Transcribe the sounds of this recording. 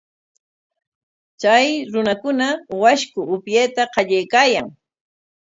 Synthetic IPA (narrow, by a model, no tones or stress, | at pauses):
t͡ʃajɾʊnakʊnawaʃkʊʊpjejt̪aqɑʎajkaːjaŋ